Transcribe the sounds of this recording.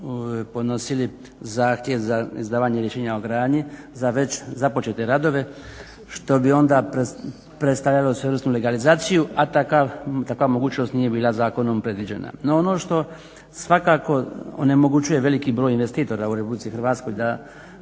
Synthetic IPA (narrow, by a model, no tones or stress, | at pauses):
pod̪no̞sili | zaːxt̪jeʋzaizd̪aːʋaːɲeɾjeʃe̞ːɲaoɡɾaːd̪ɲi | zaʋe̞t͡ɕzapo̞t͡ʃe̞t̪e̞ɾad̪o̞ʋe̞ | ʃt̪o̞bio̞nd̪a | pɾe̞t̪st̪aʋlʎalosʋeɾsnule̞ɡalizaːt̪sijuʔat̪akat̪akʋamoɡuːt͡ʃno̞st̪nije̞biːlˠazaːko̞nompɾe̞d̪ʋid͡ʑe̞̰na̰noono̞ʃt̪o̞ | sʋakaːko̞o̰ne̞mo̞ɡut͡ʃuje̞ʋe̞likibɾojinʋe̞st̪iːt̪o̞ɾauɾepublit̪sixɾʋaːt̪sko̞jd̪a